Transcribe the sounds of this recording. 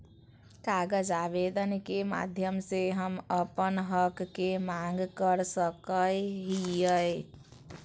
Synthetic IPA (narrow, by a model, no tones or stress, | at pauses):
kaɡəd͡ʒaʋed̪ənkema̰d̪ʱjəmseɦəməpənɦəkːemaŋɡkəɾsəkəjɦijəj